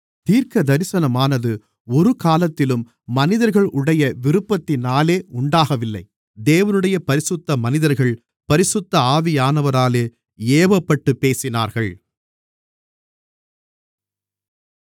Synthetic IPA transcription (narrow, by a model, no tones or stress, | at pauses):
t̪iːɾkɐd̪ɐɾɪsɐnɐmaːnɐðɯ | ɔɾɯkaːlɐt̪ːɪlɯmː | ɐnɪðɐɾɣɐɭʊɽɐjɐʋɪɾɯpːɐt̪ːɪnaːleːʔʊɳɖaːɣɐʋɪlːɐ̰ɪ | d̪eːʋɐnɯɽɐjɐpɐɾɪsɯt̪ːɐmɐnɪðɐɾɣɐɭ | pɐɾɪsɯt̪ːɐaːʋɪjaːnɐʋɐɾaːleː | eːbɐpːɐʈːɯpːeːsɪna̰ːɾɣɐɭ